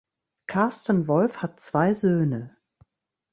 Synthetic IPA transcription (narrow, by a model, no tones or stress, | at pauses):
kʰaɐstənvɔlfhat̚t͡sv̥aɪzøːnə